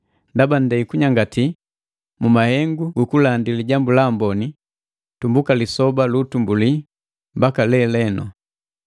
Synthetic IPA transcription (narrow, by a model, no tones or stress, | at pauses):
ndaban̩dɛikuɲaŋɡati | mumahɛŋɡuɡukulandiliɟambulambɔni | tumbukalisɔbalutumbuli | mbakalɛlɛnɔ